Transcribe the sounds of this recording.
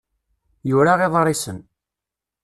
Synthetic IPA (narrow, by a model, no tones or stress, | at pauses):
juɾaʁeðˤrˤːɪsən